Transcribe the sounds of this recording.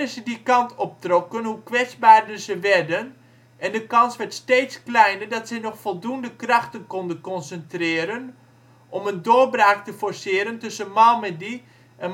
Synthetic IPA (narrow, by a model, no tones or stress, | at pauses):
əsədikɑntʰɔp̚trɔkənɦukʋɛt͡sbaːɹdəzəʋɛrdən | ʔɛndəkɑnsʋɛɹtsteːtsklɛjnərdɔtsɛjnɔxfɔlˠdundəkrɑxtənkɔndənkɔnsəntrɪːəɾən | ʔɔməndoːbraːktəfɔɹsɪːəɾəntɵsənmalˠmɛdi | ʔɛn